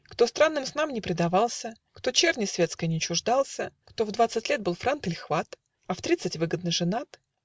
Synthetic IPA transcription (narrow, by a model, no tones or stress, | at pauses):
kt̪o̞st̪ɾanːɨmsnamnʲɪpɾʲɪd̪ɐvɑlˠsʲə | kt̪o̞t͡ɕernʲɪsʲvʲe̞t̪skəjənʲɪt͡ɕʊʐd̪alˠsʲəkt̪o̞vd̪vat̪sɨtʲlʲet̪̚bɨlˠfɾant̪ɨlʲxvat̪ | ɐft̪ɾʲit̪sɨtʲvɨɡəd̪nɨʐɨnat̪